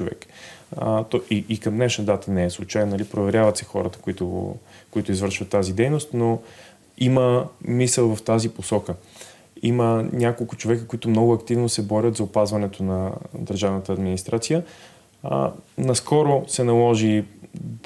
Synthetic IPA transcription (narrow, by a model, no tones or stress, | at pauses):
t͡ʃovɛ̰k | t̪ɔʔiikɐmd̪nɛʃnəd̪at̪ənɛɛslˠʊt͡ʃajnnːɐlipɾovɛɾʲjavɐt̪sɛxɔ̰ɾət̪ə̥kʊit̪ʊɡo̰kʊit̪ʊizvəɾʃvɐt̪ːazid̪ɛjnost̪no | iməmisəlˠvɐft̪aziposɔkə | imənʲakolˠkʊt͡ʃovɛkəkʊit̪ʊmnɔɡʊɐkt̪ivnosɛbɔɾʲət̪zɐʊpazvɐnɛt̪onɐd̪əɾʒavnət̪əːd̪minist̪ɾat̪sijə̰ | nɐskɔɾosɛnɐlˠɔʒi